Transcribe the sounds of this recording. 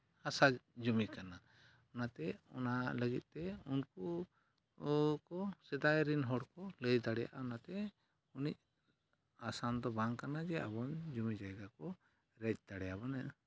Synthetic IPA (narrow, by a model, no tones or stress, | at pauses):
hasad͡ʒumikana | ɔnat̪ɛɔ̰naləɡit̪̚ˀt̪ɛunku | kɔsɛd̪ajɾinɦɔɽkɔləjd̪aɽɛja̰ʔaɔnat̪ɛ | unic̚ | asand̪ɔbaŋkanad͡ʒɛa̰bɔnd͡ʒumid͡ʒajɡakɔ | ɾɛc̚ˀd̪̥aɽɛjabɔnɛʔ